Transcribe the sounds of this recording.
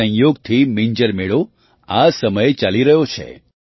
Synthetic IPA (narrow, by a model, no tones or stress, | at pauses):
ə̃joɡt̪ʰimiɲd͡ʒəɾmeɭo | asəməjt͡ʃaliɾəɦjot͡ʃʰḛ